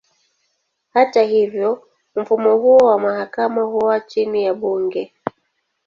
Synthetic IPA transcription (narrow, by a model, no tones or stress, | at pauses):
hatahivjɔ | m̩fumɔhuɔwamahakamahuwat͡ʃinijaɓuŋɡɛ